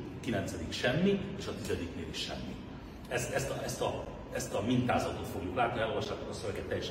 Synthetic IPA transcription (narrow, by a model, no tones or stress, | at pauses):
kilɛnt̪sɛd̪ikʃɛmːieːʃɒt̪izɛd̪iknḛːliʃʃɛ̰mːḭ | ɛst̪ɛst̪ɒɛst̪ɒ | ɛst̪ɒmint̪aːzɒt̪ot̪foɡjoklaːt̪niɛlolvɒʃːaːt̪okɒsøvɛɡɛt̪ːɛjɛʃ